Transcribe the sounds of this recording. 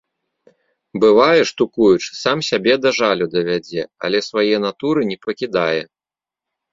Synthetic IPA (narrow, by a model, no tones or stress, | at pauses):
bɨvajɛʂt̪ukujut͡ʂsamsʲabʲɛd̪ɐʐalʲud̪ɐvʲad͡zʲɛɐ̰lʲɛsvajɛnat̪uɾɨnʲɛpɐkʲid̪ajɛ